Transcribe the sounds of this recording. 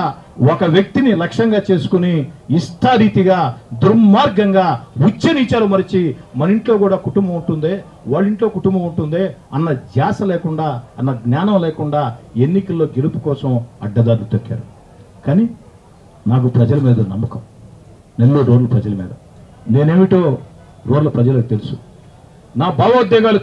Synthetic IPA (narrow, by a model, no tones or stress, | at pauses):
ɔkɐʋjɐk̚t̪inilɐkʂɐŋɡaːt͡ʃe̞ːsu̥kuniːsʈʰɐɾiːt̪iɡaːd̪uɾmaːɾɡɐŋɡaːut͡ʃːenit͡ʃaːlɐmɐɾit͡ʃimɐniɳʈlo̞ːkuːɽaːkuʈumbɐmuɳʈund̪eː | ʋaːɭːiɳʈlo̞ːkuʈumbɐmuɳʈund̪eːɐnːɐd͡ʒaːsɐlɛːkuɳɖaːɐnːɐɡnjaːnɐmlɛːkuɳɖaːenːikɐlːo̞ːɡe̞lupu̥kɔːsɐmɐ̰ɖːɐd̪aːɾkut̪okːa̰ːɾu | kaːni | naːk̬upɾɐd͡ʒɐlɐmiːd̪ɐnɐmːɐkɐm | nelːoːɾoːɖlɐpɾɐd͡ʒɐlɐmḭːd̪ɐ | ne̞ːne̞ːmiʈoː | ɾoːɖlɐpɾɐd͡ʒɐlɐkut̪elusu̥ | naːbaːʋɐɐd̪jɐŋɡaːlu